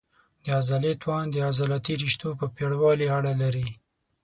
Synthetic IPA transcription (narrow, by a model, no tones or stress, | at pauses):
d̪əazalet̪wɑnd̪əazalat̪iɾiʃt̪opəpeɽwɑliaɽalaɾi